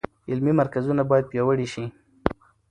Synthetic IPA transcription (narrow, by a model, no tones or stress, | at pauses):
ɪlmimaɾkazunabɑjad̪̚pjɑwəɽiʃi